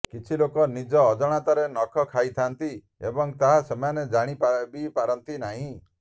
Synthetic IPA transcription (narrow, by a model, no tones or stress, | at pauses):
kit͡ʃʰilokɔnid͡ʒɔːd͡ʒɔɽ̃at̪aɾenɔkʰɔkʰajt̪ʰant̪i | ebɔŋt̪aɦasemaned͡ʒaɽ̃ipabipaɾɔnt̪inaɦĩ